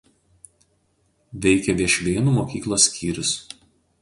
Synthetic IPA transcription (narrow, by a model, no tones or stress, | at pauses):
ʋʲɛɪkʲɛʋʲiɛʃʲʋʲeːnuːmoːkʲiːklˠoːsʲkʲiːɾʲʊs